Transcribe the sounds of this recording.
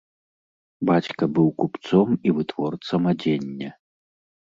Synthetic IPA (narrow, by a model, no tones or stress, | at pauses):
bat͡sʲkɐbɨwkupt̪sɔmivɨt̪v̥ɔrt̪sɐmad͡zʲenʲːɐ